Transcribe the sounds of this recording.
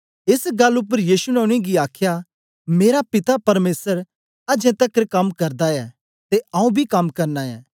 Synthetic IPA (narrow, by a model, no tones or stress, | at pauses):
ɪsɡɐlːʊpːəɾjiːsunɛʊɽ̃ĩɡiaːkʰja | meːɾapɪt̪apɐɾmeːsəɾ | ɐd͡ʒɛ̃t̪ɐkːɾkɐmkɐɾd̪aɛ | t̪eɐ̃ːũbʱikɐmkɐɾnaɛ̰ː